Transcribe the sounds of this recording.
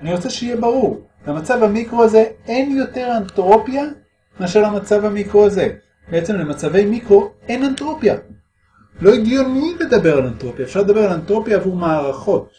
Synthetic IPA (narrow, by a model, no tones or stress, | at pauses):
aniʁo̞t͡seʃeijebaʁuʁ | lemat͡savamikʁoaze̞enjo̞te̞ʁantʁo̞pja | maʃalamat͡savamikʁoaze̞ | beet͡se̞mle̞mat͡save̞jmikʁo̞enantʁo̞pja | lo̞iɡjo̞nile̞d̪abe̞ʁalantʁo̞pjaefʃaʁled̪abe̞ʁalantʁo̞pjaːvuʁmaːʁaχo̞t̚